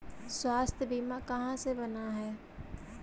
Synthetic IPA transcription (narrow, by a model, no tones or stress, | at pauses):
swaːst̪ʰjəbiːmakɐɦãsebɐnaɦɛː